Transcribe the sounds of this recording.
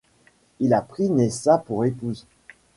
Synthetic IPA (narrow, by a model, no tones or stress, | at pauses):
ilapχinesapuʁepuz